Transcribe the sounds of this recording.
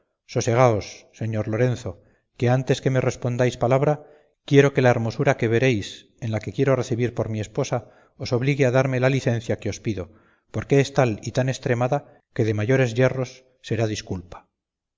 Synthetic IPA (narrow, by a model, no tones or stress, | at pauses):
so̞se̞ɣ̞ao̞sːe̞ɲo̞ɾlo̞ɾe̞n̟θo̞ | ke̞ant̪e̞ske̞me̞re̞spo̞nd̪ajspalaβ̞ɾa | kje̞ɾo̞ke̞lae̞ɾmo̞suɾake̞βe̞ɾe̞js | e̞nlake̞kje̞ɾo̞re̞θiβiɾpo̞ɾmie̞spo̞sa | o̞so̞βliɣeaðaɾme̞laliθe̞n̟θjakeo̞spiðo̞ | po̞ɾke̞est̪alit̪ane̞st̪ɾe̞maða | ke̞ðe̞maʝo̞ɾe̞zʝe̞ro̞sː | e̞ɾaðiskulpḁ